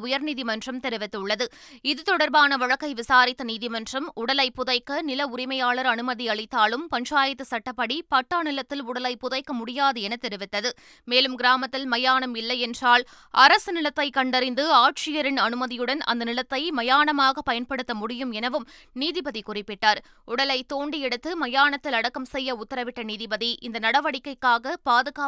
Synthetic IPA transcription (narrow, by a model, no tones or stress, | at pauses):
ʊjɐɾniːðɪmɐndrɐmt̪ɛɾɯʋɪt̪ːɯɭːɐðɯ | ɪðɯt̪ɔɽɐɾbaːnɐʋɐɻɐkːɐɪʋɪsaːɾɪt̪ːɐniːðɪmɐndrɐmʊɽɐlɐɪpːʊðɐɪkːɐnɪlɐʊɾɪmɐjaːɭɐɾɐnɯmɐðiɐɭɐɪt̪ːaːlɯmpɐɲt͡ʃaːjɐt̪ːɯsɐʈːɐpːɐɽipɐʈːaːnɪlɐt̪ːɪlʊɽɐlɐɪpːʊðɐɪkːɐmʊɽɪjaːðɯɛnɐt̪ɛɾɪʋɪt̪ːɐðɯ | meːlɯmɡɪɾaːmɐt̪ːɪlmɐjaːnɐmɪlːɐjɛndraːl | ɐɾɐsɯnɪlɐt̪ːɐɪkɐɳɖɐɾɪnd̪ɯaːʈ̚ʂɪjɐɾɪnɐnɯmɐðɪjɯɽɐnɐ̰nd̪ɐnɪlɐt̪ːɐɪmɐjaːnɐmaːɣɐpɐjɐnpɐɽɯt̪ːɐmʊɽɪjɯmɛnɐʋɯmniːðɪbɐðikʊrɪpːɪʈːaːɾ | ʊɽɐlɐɪt̪ːoːɳɖiɛɽɯt̪ːɯmɐjaːɳɐt̪ːɪlɐɽɐkːɐmsɛjːɐʊt̪ːɐɾɐʋɪʈːɐniːðɪbɐðiʔɪnd̪ɐnɐɽɐʋɐɽɪkːɐɪkːaːɣɐpaːðɯɣaː